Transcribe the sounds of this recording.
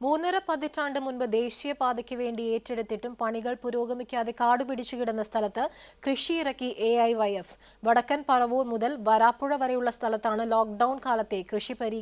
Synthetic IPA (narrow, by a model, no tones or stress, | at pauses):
muːnːɐɾɐpɐðitraːɳɖɨmunbɨd̪e̞ːɕijɐpaːd̪ɐkʲːɨʋe̞ːɳɖie̞ːtːe̞ɽut̪ːiʈːumpɐɳiɣɐɭpuɾo̞ːɡɐmikʲːaːðe̞kaːɽupiɽit͡ɕːuɣiɽunːɐst̪ʰɐlɐt̪ːɨkrɨʂiːrɐkːiʔeɐjʋɐjef | ʋɐɽɐkːɐnpɐrɐʋuːrmuðɐlʋɐɾaːpːuɻɐʋɐɾejuɭːɐst̪ʰɐlɐt̪ːaːɳɨloːk̚ɖɐwɳkaːlɐt̪ːe̞krɨʂipɐɾiː